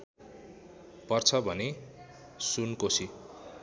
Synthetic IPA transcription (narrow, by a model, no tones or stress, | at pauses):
pʌrt͡sʰʌbʱʌne | sunkosʰi